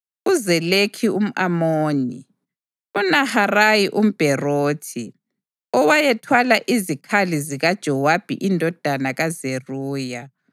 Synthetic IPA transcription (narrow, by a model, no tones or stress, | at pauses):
uzɛlekʰium̩ʔamoːnḭ | unaharajiʔum̩b̥ʱɛroːtʰi | ɔwajɛtʰwalaʔizikʰaliziɣad̥ʒ̥ʱɔwab̥ʱḭʔindʱɔd̥ʱanaɣazeruːja